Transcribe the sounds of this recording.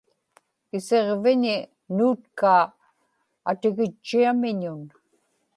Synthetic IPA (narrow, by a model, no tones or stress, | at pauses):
ɪse̞ʁvɪɲɪ | nuːt̪kaː | a̰t̪ɪɣɪt͡ʃːiamɪɲʊn